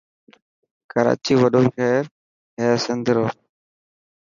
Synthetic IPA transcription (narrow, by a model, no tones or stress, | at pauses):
kəɾa̰ːt͡ʃiːʋəɗoːʃɛːɾ | ɦeːsɪnd̪ʱɪɾoː